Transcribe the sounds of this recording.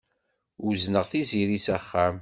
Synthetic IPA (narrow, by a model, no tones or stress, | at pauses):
uznəʁθiziɾisæχːæm